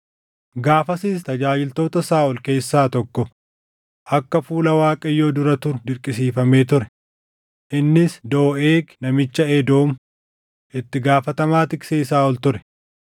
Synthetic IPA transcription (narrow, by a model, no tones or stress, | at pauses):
ɡaːfɐsiːst̪ɐd͡ʒaːd͡ʒɪlt̪o̞ːt̪ɐsaːʔɔlke̞ːsːaːt̪ɔkːɔ | ʔɐkːɐfuːlɐwaːkʼɐjːoːd̪ʊɾɐt̪ʊɾʊd̪ɪɾkʼɪsiːfɐme̞ːt̪ʊɾɛ | ʔɪnːɪsd̪o̞ːʔeːknɐmɪt͡ʃːɐɛd̪o̞ːm | ʔɪt̪ːɪɡaːfɐt̪ɐmaːt̪ɪkseːɪsaːɔlt̪ʊɾɛ̥